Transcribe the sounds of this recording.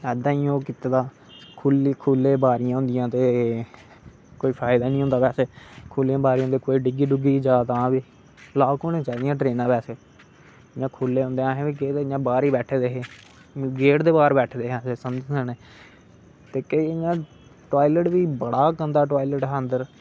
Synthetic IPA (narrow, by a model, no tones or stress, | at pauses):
ɛːd̪ãːiːoːkɪt̪ed̪aː | kʰuːlkʰuːlːeːbaːɾɪjãːɦʊ̃nd̪ɪjãːt̪eː | koːiːpʰaːɪd̪aːnĩːɦõnd̪aːpɛːseːkʰuːlijãːbaːɾij̃õnd̪eːkoːiːɖɪɡiːɖʊɡiːd͡ʒaːt̪ãːʋiː | laːkoːnẽːt͡ʃaːd̪ijãːʈɾeːnãːpɛːseː | ɪɲãːkʰuːlːeːʊ̃nd̪eːãːɦẽːiːɡeːeɲãːbaːɾiːbɛːʈʰeːd̪eːɦeː | ɡeːʈd̪eːbaːɾbɛːʈʰːd̪eːɦaːseːsəmd͡ʒəneː | t̪eːkeiɪɲãː | ʈoːiːləʈʋiːbəɽaːkənd̪aːʈoːiləʈɦnd̪əɾ